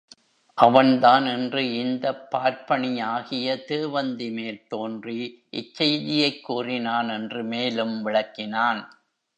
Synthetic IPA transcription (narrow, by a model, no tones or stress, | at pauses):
ʔɐʋɐnt̪aːnɛndrɯɪnd̪ɐpːaːɾpɐɳɪjaːɣɪjɐt̪eːʋɐnd̪ɪmeːlt̪oːndriʔɪt͡ʃːɐjðɪjɐɪkːuːrɪnaːnɛndrɯmeːlɯmʋɪɭɐkːɪnaːn